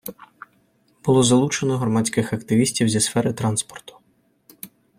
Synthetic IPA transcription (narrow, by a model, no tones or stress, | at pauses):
b̥ʊlˠɔzɐlˠut͡ʃenɔɦɾɔmɑt͡sʲkɪxɐkt̪ɪʋʲisʲtʲiwzʲɐsfɛɾɪt̪ɾɑnspɔ̥rt̪ʊ̥